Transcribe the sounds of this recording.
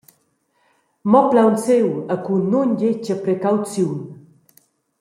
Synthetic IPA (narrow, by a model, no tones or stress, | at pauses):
mɔplawnsewəkunuɲʎet͡ɕəpɾekawt͡sjun